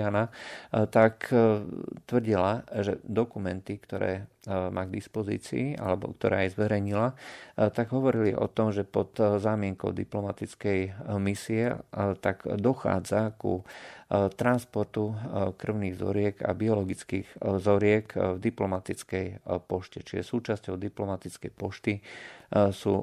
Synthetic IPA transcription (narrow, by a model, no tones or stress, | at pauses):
anat̪ak | t̪ʋr̩ɟilaʒɛ̰d̪ɔkumɛnt̪ikt̪ɔɾɛ̰ːmʔaːɡd̪ispɔzḭːt͡sḭːʔa̰lɛbɔ̰kt̪ɔɾɛːjzʋɛɾɛjɲilat̪aɡɦɔʋɔɾiliʔɔ̰t̪ɔmʒɛpɔt̪zaːmɪɛŋkɔ̰ʊd̪ḭplɔmat̪it͡skɛjmisiɛt̪aɡd̪ɔxa̰ːd͡zakṵ | t̪ɾanspɔɾt̪ukr̩ʊniːɣzɔ̰ɾɪɛɡa̰biɔlɔɡit͡skiːɣzɔɾɪɛkvd̪iplɔmat̪it͡skɛjpɔʃcɛt͡ʃiʒɛ̰suːt͡ʃascɔʊd̪iplɔmat̪it͡skɛjpɔʃt̪i | sṵː